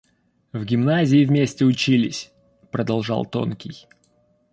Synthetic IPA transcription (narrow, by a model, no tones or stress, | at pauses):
vɡʲɪmnazʲɪɪvʲmʲesʲtʲɪʊt͡ɕilʲɪsʲ | pɾəd̪ɐlˠʐɑ̰lˠt̪o̞̰nkʲɪj